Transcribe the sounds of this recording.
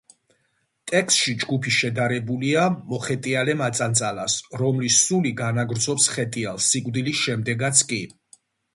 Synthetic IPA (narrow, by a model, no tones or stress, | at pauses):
t̪ʼɛkst̪ʃid͡ʒɡupʰiʃɛd̪aɾɛbuliamɔχɛt̪ʼialɛmat̪sʼant̪sʼalasɾɔmlisuliɡanaɡɾd̪zɔpsχɛt̪ʼialˠsikʼvd̪ilisʃɛmd̪ɛɡat̪sʰkʼi